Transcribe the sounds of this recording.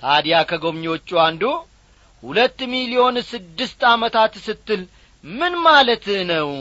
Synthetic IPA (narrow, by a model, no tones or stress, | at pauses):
t̪ʰad̪jakʰəɡo̞βɲo̞t͡ʃːuand̪u | hulət̪ːmilio̞nsɨd̪ːɨst̪amət̪ʰat̪sɨt̪ːɨl | mɨnmalət̪nəw